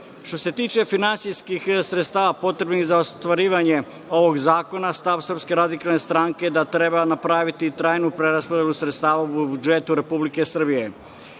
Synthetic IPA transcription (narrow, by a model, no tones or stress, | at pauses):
ʃt̪o̞se̞t̪iːt͡ʃe̞finant̪sijskixsɾet̪st̪aːʋapo̞t̪ɾe̞bnixzaost̪ʋaɾiːʋaɲe̞ | o̞ʋo̞ɡzaːko̞nast̪aʋsr̩pske̞ɾad̪ikalˠne̞st̪ɾaŋke̞d̪at̪ɾe̞banapɾaːʋit̪it̪ɾaːjnupɾe̞ɾaspod̪e̞lusɾet̪st̪aːʋaubud͡ʒet̪uɾe̞publike̞sr̩bije̞